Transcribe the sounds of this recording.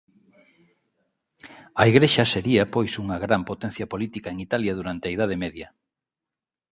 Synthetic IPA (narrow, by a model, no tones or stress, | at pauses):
ɐiɣɾeʃɐseɾiɐpojsuŋɐɣɾampot̪ɛn̟θjɐpolit̪ikaeŋit̪aljɐðuɾant̪eɐið̞að̞emeðjɐ